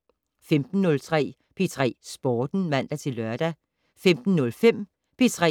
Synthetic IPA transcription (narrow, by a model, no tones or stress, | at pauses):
femd̥n̩ːɔ̽lt͡sʰʁɛ̰ː | pʰe̝t͡sʰʁɛ̰ːsb̥ɒːd̥n̩mæn̰d̥æt͡sʰe̝lːɶɐd̥æ | femd̥n̩nɔ̽lfem̰ | pʰe̝t͡sʰʁɛ̰